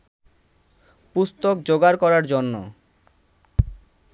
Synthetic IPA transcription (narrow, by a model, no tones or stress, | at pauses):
pust̪ok̚d͡ʑoɡaɾkɔɾaɾd͡ʑonːo̰